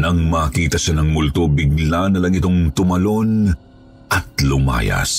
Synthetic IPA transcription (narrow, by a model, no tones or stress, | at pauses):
nɐŋmɐːkiːt̪ɐʃanɐŋmʊlt̪obɪɡ̚lanɐlɐŋɪt̪o̞ŋt̪ʊmɐlo̞n | ʔɐt̪̚lʊma̰ːjɐ̰s